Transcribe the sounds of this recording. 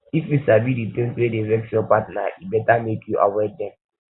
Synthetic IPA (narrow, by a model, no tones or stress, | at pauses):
ifjusabidit̪ĩŋswedevɛksjɔpatna̰ʔibɛtamekʰjuʔa̰wɛdɛ̃m